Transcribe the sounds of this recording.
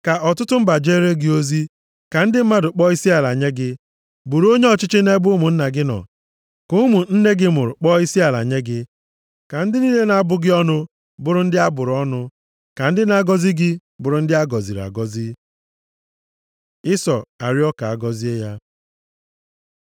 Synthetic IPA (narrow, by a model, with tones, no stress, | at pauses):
ka˨ʔɔ˨tʊ˦tʊ˦m̩˦ba˨d͡ʒe˦ɾe˦ɡɪ˦o˦zi˦ | ka˨n̩˦dɪ˦m̩˦ma˦dʊ˨k͡pɔ˦i˦si˦a˨la˨ɲe˦ɡɪ˦ | bʊ˨ɾo˦ɲe˦ɔ˨t͡ʃɪ˦t͡ʃɪ˦ne˦bʊ˦mʊ˨n̩˦na˨ɡɪ˦nɔ̰˨ | kʊ˦mu˨n̩˦ne˦ɡɪ˦mʊ˨ɾʊ˨k͡pɔ˦i˦si˦a˨la̰˨ɲe˦ɡɪ˦ | ka˨n̩˦dɪ˦ni˦le˦na˨˦bʊ˦ɡɪ˦ɔ˦nʊ˦ | bʊ˦˨ɾʊ˨n̩˦dɪ˦a˦bʊ˨ɾɔ˦nʊ˦ | ka˨n̩˦dɪ˦na˦ɡɔ˦zi˦ɡɪ˦ | bʊ˨ɾʊ˦n̩˦dɪ˦a˦ɡɔ˨zi˨ɾa̰˨ɡɔ˦zi˦ | ɪ˦sɔ̰˨a̰˨ɾjɔ˦ka˨a˦ɡɔ˦zi˦e˦ja˦